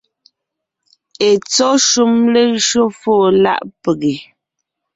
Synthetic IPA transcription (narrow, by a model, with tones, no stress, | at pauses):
e˨t͡sɔ˦ʃu˦mle˦ʃo˦foː˦˨la̰˦˨ʔpe˨ɣe˨